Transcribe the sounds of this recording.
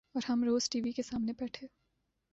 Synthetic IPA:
ɔːɾɦɐmɾoːz̥ʈiːʋikesaːmnebɛːʈʰeː

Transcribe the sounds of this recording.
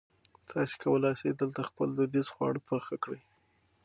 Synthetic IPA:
t̪ʰɑse̥kʰawəlɑjsed̪əlt̪axpəld̪ud̪izxwɑ̰ɽpəxakɽəj

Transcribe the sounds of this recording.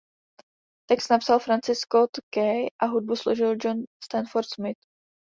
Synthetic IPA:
t̪ɛkst̪napsalfɾant͡sɪskot̪kɛjʔaɦud̚busloʒɪld͡ʒonst̪anfoɾt̪smɪt̪

